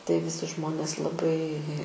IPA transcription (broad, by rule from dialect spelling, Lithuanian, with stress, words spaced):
tɐɪ ʋʲɪˈsʲɪ ˈʒmoːnʲeːs lˠɐˈbɐɪ